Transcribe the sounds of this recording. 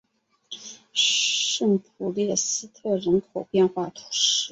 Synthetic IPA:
ʂə˥˩npʰu˨˩ljɛ˥˩sɹ̩˥t̪ʰɤ˥˩ɻə˧˥nkʰo˨˩ʊpjɛ˥˧nxwa˥˩t̪ʰu̥˧˥ʂɻ̩˥

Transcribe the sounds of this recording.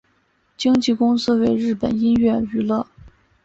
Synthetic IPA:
t͡ɕi˥ŋt͡ɕi˥˧kʊ˥ŋsɹ̩˥we˧˥ɪɻɻ̩˥˩pə̰˨˩ni˥nɥɛ˥˩y˧˥lɤ˥˩

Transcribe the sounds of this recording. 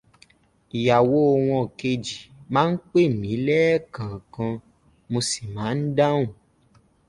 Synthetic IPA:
i˨ja˨wo˨˦o˧w̃ɔ̃˧˨ke˧d͡ʒi˨mãː˦n̩˦k͡pe˦˨mĩ˨˦lɛ˦kã˨kã˧ | mo˧si̥˨mãː˨˦n̩˦da˦wũ˦˨

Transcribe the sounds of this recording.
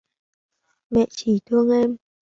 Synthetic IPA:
mɛ̰˧˨t͡ɕi˧˩˦t̪ʰɨ˧əŋʔɛ˧m

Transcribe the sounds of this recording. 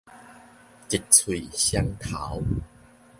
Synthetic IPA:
t͡ɕi˨˩t̚t͡sʰwi˨˩ɕja˧ŋt̪ʰa˨˦w

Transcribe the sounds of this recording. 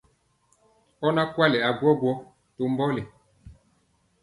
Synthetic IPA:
ɔ˦na˦kwa˦lɛ˨a˨ɡwɔ˦ɡwɔ˦ | to˨mbɔ˦lɛ˨

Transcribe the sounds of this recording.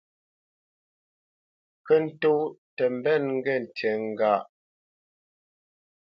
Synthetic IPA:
kə˦n̩˦to˦tə˨m̩˨bɛ˦˨nŋ̩˦ɡɛ˦˨n̩˨tɛ˨ŋ̩˨ɡa˦˨ʔ

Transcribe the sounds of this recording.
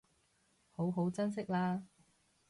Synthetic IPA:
ho˨˥wɦo˨˥wt͡sɐ˥ns̬ɪ˥k̚laː˥

